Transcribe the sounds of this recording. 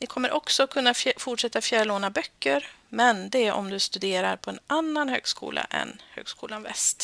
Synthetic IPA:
nɪkʰɔmːəɾʔɔksɔkʰɵnːafʊʈʂɛt̪ːafjæːɾloːnabœkːəɾmɛnd̪ɛɛʔɔ̰md̪ɵst̪ɵd̪eːɾaɾpʰɔɛnanːanhø̰ːɡskṵːlʔa̰ʔɛ̰nhø̰ːɡskuːlanvɛ̰st̪

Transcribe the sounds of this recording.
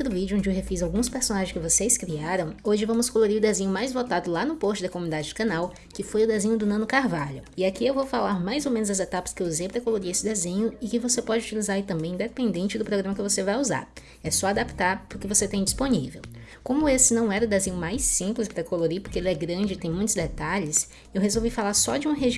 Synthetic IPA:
ʊd̪ʊvid͡ʒʊõd͡ʒɪewhefizawɡũspeɾsõnaʒẽj̃skɪvoseskɾiaɾɐ̃w̃oʒɪvɐ̃mʊskoloɾiɾʊd̪ezẽɲʊmajzvot̪ad̪ʊlanʊpost͡ʃɪd̪ɐkomunid̪ad͡ʒɪd͡ʒɪkɐ̃naw | kɪfojʊd̪ezẽɲʊd̪ʊnɐ̃nʊkaɾvaʎʊɪakiewvowfalaɾmajzowmẽnʊzɐzet̪apɐ̥skɪeuzejpɾɐkoloɾiesɪd̪ezẽɲʊɪkɪvosepɔd͡ʒɪut͡ʃilizaɾit̪ɐ̃mbẽj̪̃d̪epẽnd̪ẽnt͡ʃɪd̪ʊpɾoɡɾɐ̃mɐkɪvosevajuza̰ɾ | ɛsɔad̪apt̪aɾpʊɾkɪvoset̪ẽj̃d͡ʒisponivew | kõmʊesɪnɐ̃w̃ɛɾɐʊd̪ezẽɲʊmajsĩplɪspɾɐkoloɾipoɾkeelɛɡɾɐ̃d͡ʒɪt̪ẽj̃mũj̃t̪ʊzd̪et̪aʎɪs | ewɦezowvifalaɾsɔ̰d͡ʒɪũɦeʒ

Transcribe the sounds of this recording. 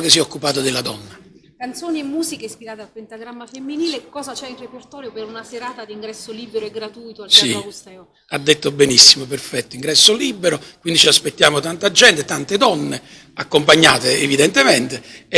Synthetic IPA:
kes̬ːiɛɔkːupaːt̪od̪ɪlad̪ɔnːa | kant̪soːniemːuːzikespiɾaːt̪ealpent̪aɡɾamːafemːiniːlekɔːzat͡ʃɛirːepert̪ɔːɾjopeɾunaseɾaːt̪ad̪iŋɡɾɛsːoliːbeɾoɛɡɾat̪ujt̪oalsist̪ɛo | ad̪ːet̪ːobenisːimoperfɛt̪ːoiŋɡɾɛsːoliːbːeɾokwind̪it͡ʃiaspet̪ːjaːmot̪ant̪ad͡ʒɛnt̪et̪ant̪ed̪ɔnːe | akːompaɲːaːt̪eːvid̪ɛnt̪emɛnt̪e

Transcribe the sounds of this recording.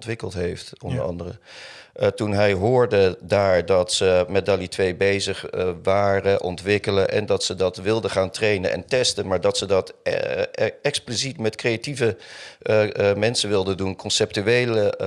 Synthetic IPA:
tʋɪkəlˠtɦejftɔ̰ndə̰ɹɑ̰ndərə | tunɦɛjɦʊːɹdədaːɹdɑtsəmɛdalitʋejbejzəχʋaːrəʔɔntʋɪkələʔɛ̰ndɑtsədɑtʋɪlˠdəχaːntrejnənɛ̰ntɛstənmaːɹdɑtsədɑt | ɛksplisitmɛtkrejativə | mɛnsənʋɪlˠdədunkɔnsɛp̚tyejlə

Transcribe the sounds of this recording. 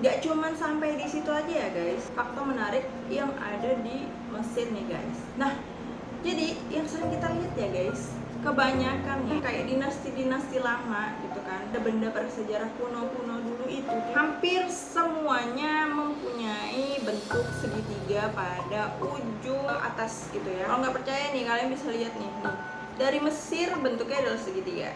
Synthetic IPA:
ɡaʔt͡ʃumansampajdisit̪uad͡ʒajaɡaɪsfak̚t̪omənaɾɪk̚jaŋa̰dadi | məsɪrnɪɡa̰ɪs | nah | d͡ʒadijaŋsəɾɪŋkit̪aɾiɦat̪jaɡaɪs | kəbaɲakanjakajaʔdinast̪idinast̪ilamaɡit̪ukandabəndapaɾasəd͡ʒaɾahpunopunoduluit̪uhampɪrsəmuaɲaməmpuɲaibənt̪ʊk̚səɡit̪iɡapadaud͡ʒua̰t̪asɡit̪ujakaloŋɡaʔpərt͡ʃajanɪhkalojaŋbisaliɦat̪̚nɪna | daɾiməsɪrbənt̪ʊkːajadalasəɡit̪iɡa̰

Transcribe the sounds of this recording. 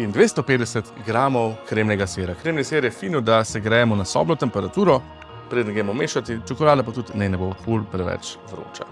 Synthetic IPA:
ind̪ʋeːst̪ɔpeːd̪d̪ɛsɛt̪ɡɾaːmɔwkɾemnɛɡasʋeːɾakɾeːmnisʋeːɾjɛfiːnɔd̪asɛɡɾɛjɛmɔnasɔ̰ːblɔt̪ɛmpɛɾat̪uːɾɔ | pɾed̪ənɡɾemɔmeːʃat̪it͡ʃɔkɔlaːd̪apat̪ut̪nɛnɛbofolpɾɛʋɛ̰t͡ʃʋɾo̰ːt͡ʃa̰

